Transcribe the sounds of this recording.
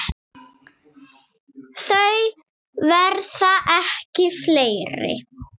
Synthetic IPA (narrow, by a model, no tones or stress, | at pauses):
θœɥ | vɛɾθaʔɛhcɪfleːjɾɪ̰